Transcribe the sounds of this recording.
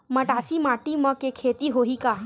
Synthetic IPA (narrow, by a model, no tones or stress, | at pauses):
məʈaːsimaːʈiməkekʰet̪iɦoɦikaː